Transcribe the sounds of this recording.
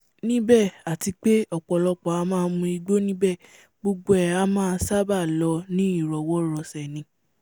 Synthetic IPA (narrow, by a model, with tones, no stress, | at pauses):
nĩ˦bɛ˦˨a˨ti˧k͡pe˦ɔ˦˨k͡pɔ˨lɔ˧k͡pɔ˨a˧˦mãː˦˧mũ˧i˧ɡ͡bo˦nĩ˦bɛ˦˨ | ɡ͡bo˧ɡ͡bo˦ɛ˨a˧˦mãː˦˧˦sa˦ba˦˨lɔ˧nĩ˦i˦˨ɾɔ˨wɔ˦ɾɔ˧˨sɛ˨nĩ˧˦